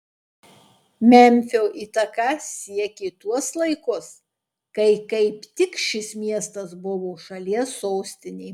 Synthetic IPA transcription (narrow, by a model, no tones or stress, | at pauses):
mʲɛmʲfʲoːʔiːt̪ɐkɐsʲiɛkʲet̪uɔslˠɐɪkʊs | kɐɪkɐɪpt̪ʲɪkʃʲɪsmʲiɛst̪ɐsbʊʋoːʃɐlʲiɛsːoːsʲt̪ʲɪnʲeː